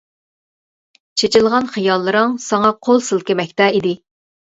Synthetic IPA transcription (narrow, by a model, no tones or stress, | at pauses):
t͡ʃʰet͡ʃʰilˠʁɑnχɨjɑlˠːɨɾɨŋsɑŋɑqʰolˠsɨlˠkʲɪmɛkʲt̪ɛid̪ɪ